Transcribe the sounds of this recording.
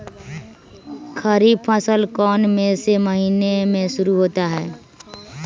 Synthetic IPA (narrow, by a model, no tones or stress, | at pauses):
kʰəɾibpʰəsəlkɔːnmẽseməɦiːnemẽʃʊɾuɦoːt̪aɦɛː